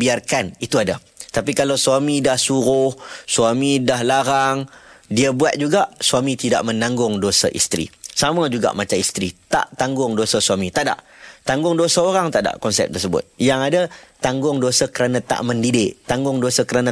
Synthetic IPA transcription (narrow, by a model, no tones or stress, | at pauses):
biarkanit̪uada | t̪ap̬ikalawsuwamĩdahsuɾʊhsuamĩdahlaɾaŋdiabuat̪̚d͡ʒuɡaʔsuamĩt̪ida̰ʔmə̃nãŋɡʊŋdosaʔḭst̪ɾḭsamad͡ʒuɡa̰ʔmat͡ʃamist̪ɾit̪a̰ʔt̪aŋɡʊŋdosasuamĩt̪aʔda̰ʔ | t̪aŋɡʊŋdosaoɾaŋt̪aʔda̰ʔkɔnsɛ̰p̚t̪ərsəbʊ̰t̪̚jaŋadat̪aŋɡʊŋdosakəɾanãt̪a̰ʔməndidɪʔt̪aŋɡʊŋdosakəɾanã